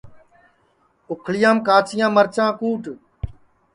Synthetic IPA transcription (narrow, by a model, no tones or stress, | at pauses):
ʊkʰɭɪjãːmkaːt͡ʃɪjãːməɾt͡ʃãːkuːʈ